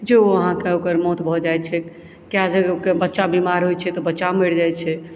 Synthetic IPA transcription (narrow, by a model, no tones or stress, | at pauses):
d͡ʒeoəɦãkeokəɾmɔt̪bʱɔd͡ʒajt͡ʃʰɛ | kjad͡ʒəokebətːʃabimaɾɦojt͡ʃʰɛt̪ɔbətːʃameɽd͡ʒajt͡ʃʰɛ